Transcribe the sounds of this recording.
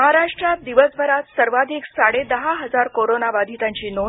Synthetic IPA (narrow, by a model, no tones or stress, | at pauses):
ɦaɾaʂʈɾat̪̚d̪iʋəsbʱəɾat̪səɾʋad̪ʱiksaɽed̪əɦaɦəd͡zaɾkoɾonaʋad̪ʱit̪ãɲt͡ɕiːno